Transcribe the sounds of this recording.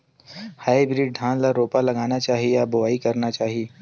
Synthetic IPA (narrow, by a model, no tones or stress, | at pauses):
haːibɾiːɖ̚ɖʱãːnlaɾoːpalɐɡaːnat͡ʃaːɦiejabʊʋaːikɐɾnat͡ʃaːɦieː